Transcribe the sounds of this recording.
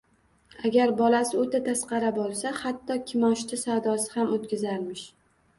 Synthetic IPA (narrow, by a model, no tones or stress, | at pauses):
aɡʲaɾbɒlasɪot̪ʰat̪ʰasqɑɾabolˠsahat̪ːɒkʲʰɪmɒʃt̪ʰasawd̪ɒsɪhamot̪̚kʲɪzaɾmɪʃ